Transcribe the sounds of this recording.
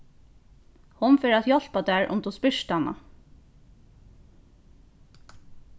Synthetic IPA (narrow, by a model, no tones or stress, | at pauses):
hʊnfeːɾæt̪jɔl̥pad̪æːɹʔʊ̰mt̪ʰuːspʏʃt̪ɑnɑ̰